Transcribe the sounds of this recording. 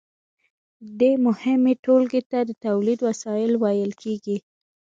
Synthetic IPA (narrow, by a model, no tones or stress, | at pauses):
d̪emʊhɪmeʈolɡet̪ad̪ət̪awlid̪wasɑjɪlwajəlkʰeɡi